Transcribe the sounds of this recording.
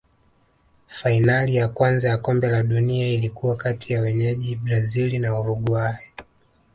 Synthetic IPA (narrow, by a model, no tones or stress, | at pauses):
fainalijakwanzajakɔmbɛlaɗuniailikuwakatʰijawɛɲɛʄiɓɾazilinauɾuɡwajɛ